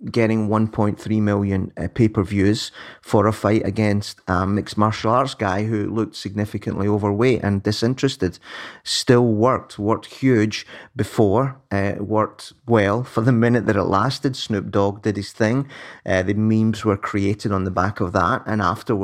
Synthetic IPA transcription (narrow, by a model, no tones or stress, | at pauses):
ɡ̥ɛɾɪ̃ŋwʌ̃npʰɔ̃ɪ̃nθɹimɪlˠjə̃npʰepə˞vjʉz̥fə˞əfaɪʔə̰ɡɛ̃nstmɪksmaɹʃlˠaɹzɡaɪɦʉlˠʉk̚tsɪɡ̚nɪfɪkʰə̃nʔlˠiovə˞weʔə̰̃ndɪsɪ̃nt͡ʃɹ̥ɨstɪd̥stɪlˠwɜ˞k̚t̚ʰwɜ˞k̚t̚hjʉ̥ʒ̥bɪfɔɹwɜ˞k̚twɛlˠfə˞ðəmɪ̃nɪʔ̚ðəɾə̰ʔlˠastɪd̥snʉp̚d̥ɔɡ̚dɨd̚ɪz̥θɪ̃ŋðɨmĩmzwə˞kʰɹ̥ieʔɪɾn̩ðəbakəvðə̰ʔə̰̃naftə˞w